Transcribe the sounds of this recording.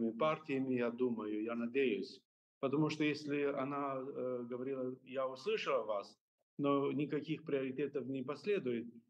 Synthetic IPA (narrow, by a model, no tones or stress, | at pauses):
mʲɪpartʲɪjəmʲɪjad̪uməjʊjanɐdʲejʊsʲ | pət̪ɐmuʂt̪ojesʲlʲɪɐnaɡəvɐɾʲilˠəjaʊslˠɨʂəlˠəvas | nonʲɪkɐkʲixpɾʲɪɐɾʲɪtʲet̪əfnʲɪpɐsʲlʲed̪ʊjɪt̪̚